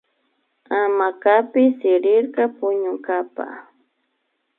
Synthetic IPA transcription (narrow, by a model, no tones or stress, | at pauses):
amakapɪsɪɾɪɾkɑpʊɲʊŋkapa̰